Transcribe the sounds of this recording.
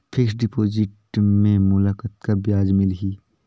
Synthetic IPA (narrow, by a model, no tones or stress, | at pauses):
pʰɪksɖɪpoːd͡ʒɪʈmẽmʊlakət̪kabjaːd͡ʒmɪlɦiː